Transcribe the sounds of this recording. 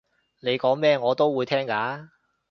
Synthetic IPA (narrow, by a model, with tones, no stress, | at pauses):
ne˨˧jkɔː˨˥ŋmɛː˥ŋɔː˨˧t̪o˥wwuː˨˧jt̪ʰɛː˥ŋkaː˨˧˥